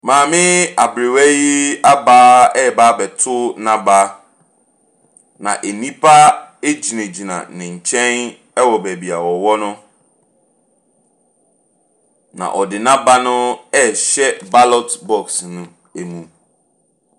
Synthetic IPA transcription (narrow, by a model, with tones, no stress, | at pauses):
mãː˨mɪ̃˦a˨bɾɪ˨wɛ˦ji˦a˦baː˦ɛ˦˨baː˦bɛ˨tʰʊ˦nã˦ba˦ | nã̰˨ʔe˨nĩ˦pʰa˦e˦d͡ʑi˨nẽ˨d͡ʑi˨nã̰˨nɪ̃˨ɲ̩˨t͡ɕʰɛ̃˦n | ɛ˦wɔ˨bæ˨bi˨a˨wɔ˨wɔ˦nʊ̃˦ | nã̰˨ʔɔ˨dɪ˨nã˦ba˦nʊ̃˦ɛ˦ɕɛ˦ba˦lɔ˦tbɔ˦˨ksnʊ̃˦ | e˨mũ˨